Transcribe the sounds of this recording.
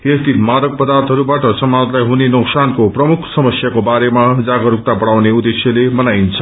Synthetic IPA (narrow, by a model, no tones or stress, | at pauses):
est̪ʰit̪mad̪ʌk̚pʌd̪art̪ɦʌɾubaʈʌsʌmad͡zlajɦunenuksankoprʌmukʰsʌmʌsjakobaɾemad͡zaɡʌɾuk̚t̪abʌɽawneud̪esjʌlemʌnajint͡sʰʌ